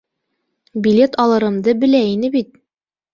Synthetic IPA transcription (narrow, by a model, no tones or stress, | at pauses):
bʲilʲet̪ɑlˠɤ̆ɾɤ̆md̪ɤbɘ̆læinɘbit̪̚